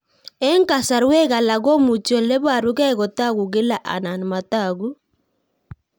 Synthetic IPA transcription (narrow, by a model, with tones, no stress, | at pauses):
ɛ˦ŋka˨sa˨ɾwɛ˦ɣa˨la˨ɣɔ˦mu˨t͡ʃɔ˨lɛ˦βa˨ɾu˦ɣɛ˦ɣɔ˨ta˦ɣu˨ɣe˦la˦˨ʔa̰˨na˨n˨ma˨ta˨ɣu˦